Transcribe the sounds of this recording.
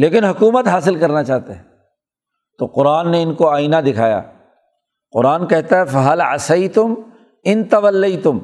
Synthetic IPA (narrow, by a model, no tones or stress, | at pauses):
leːkɪnɦʊkuːmət̪ɦaːsɪlkɐɾnat͡ʃaːɦt̪eɦɛ̃ | t̪oqʊɾaːnːeɪnkoaːinad̪ɪkʰa̰ːja̰ː | qʊɾaːnkɛɦt̪aɦɛfɐɦɐlɐ̰sɐjt̪ʊm | ɪnt̪ɐʋəlːejt̪ʊm